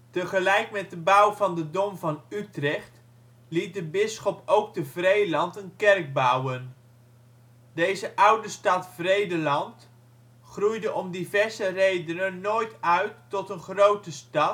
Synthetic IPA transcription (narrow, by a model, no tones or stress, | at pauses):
təχəlɛjkmɛt̚dəbʌwvɑndədɔmvɑnytrɛχt | lit̚dəbɪsχɔpowk̚təvrejlɑntənkɛrk̚bawən | dejzəʔʌwdəstɑtfrejdəlɑnt | χrujdəʔɔmdivɛɹzərejdənənːoːjtœɥtːɔtənχrowtəstɑt